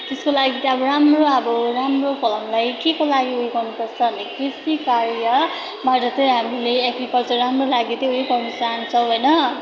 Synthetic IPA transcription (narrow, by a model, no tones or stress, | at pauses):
t̪eskolaɡit̪ʌbʌɾamroʌbʌramropʰʌlʌmlajkekolaɡiujeɡʌrnupʌrt͡sʰʌbʱʌnːekrisikaɾjʌ | bad͡zʌt̪ʌjɦamileekrikʌlt͡sʌrramrolaɡet̪eɦujekʌrnisant͡sʰʌw̃ɦojnʌ